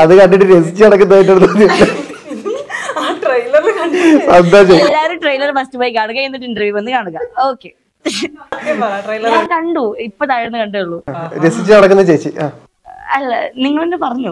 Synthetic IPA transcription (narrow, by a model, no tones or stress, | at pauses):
ɐðɨkɐɳɖiʈːɨɾesit͡ɕːɨɐɽɐkːunɐðaːjiʈ̬ːɐɽunːɐt͡ɕelːɐ | ʈrɐjlɐɾɐnd̪aːt͡ɕejlːaːɾuʈrɐjlɐrfɐstupoːjikːaːɳuɣɐenːiʈːɨinɖɐrʋjuːʋɐnːɨkaːɳuɣɐoːkːe | ɐrɐjlɐaːkɐɳɖuipːɐðaːjiɽunːɨkɐɳɖuɭːuɾesit͡ɕːɨnɐɽɐkːunːɐt͡ɕejit͡ɕːɨʔaː | ɐlːɐniŋːɐɭʋenːepɐrɐɲːu